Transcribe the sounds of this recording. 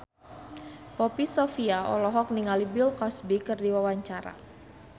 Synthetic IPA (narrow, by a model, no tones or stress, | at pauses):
pɔpisɔfiaɔ̰lɔɦɔk̚niŋalibɪlkɔsbikɨrdiwawaɲt͡ʃaɾa̰